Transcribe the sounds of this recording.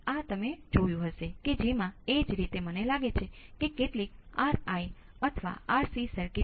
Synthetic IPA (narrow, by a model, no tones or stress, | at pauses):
at̪əmed͡ʒojũɦəʃeked͡ʒemãed͡ʒɾit̪emənelaɡet͡ʃʰekekeʈlik̚aɾai | ət̪ʰəʋa̰aɾsisəɾki